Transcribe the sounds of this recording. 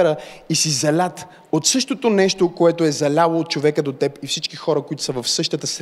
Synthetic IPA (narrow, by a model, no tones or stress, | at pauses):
ɾəisizɐlʲat̪ | ot̪sɤʃt̪ot̪onɛʃt̪okoɛt̪oɛzɐlʲalˠoːt̪̚t͡ʃovɛkəd̪ot̪ɛpifsit͡ʃkixɔɾəkoit̪o̥səvəfsɤʃt̪ət̪əs